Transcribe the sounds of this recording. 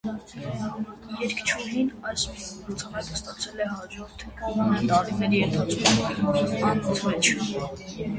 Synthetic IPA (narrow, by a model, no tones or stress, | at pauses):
jɛɾkʰt͡ʃʰuɦinɑjslut͡sʰɑmɛt̪əst̪ɑt͡sʰɛlɛɦɑd͡ʒɔɾt̪ʰvɑnɛnt̪ɑɾinɛɾiɛnt̪ʰɑt͡skʰumɑnvut͡sʰmɛt͡ʃʰ